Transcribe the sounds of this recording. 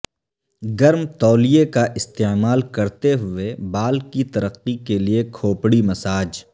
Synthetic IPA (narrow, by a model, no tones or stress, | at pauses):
ɡɐɾmt̪ɔːlijekaʔɪst̪eːmaːlkɐɾt̪eɦʊebaːlkit̪ɐɾəqːikeliekʰoːpɽimɐsaːd͡ʒ